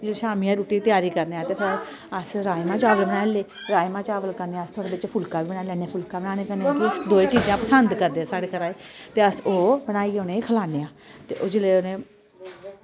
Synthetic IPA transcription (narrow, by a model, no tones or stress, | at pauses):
d͡ʒeʃaːmiːãːɾuːʈiːt̪jaːɾiːkəɾneːaːt̪eːpʰɪɾ | əsɾaːmãːt͡ʃaːʋəlbənaːleː | ɾaːjmãːt͡ʃaːʋəlkəɾneːaːəst̪ʰʊaːɽeːbɪt͡ʃpʰʊlkaːʋiːbəɽaːlɛːneaːpʰʊlkaːbənaːneːkəɾneaːkid̪oːeːt͡ʃiːd͡ʒãːpəsənd̪kəɾd̪eːaːsaːɽeːkʰəɾaːeːt̪eːəsoːbəɽaːiːoːneːkʰəlaːneːãːt̪eːʔoːd͡ʒɪleːonẽː